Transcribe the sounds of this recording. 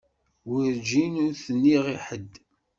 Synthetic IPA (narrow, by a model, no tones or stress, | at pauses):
wəɾd͡ʒinʊɾθənːiʁiħəd̪ː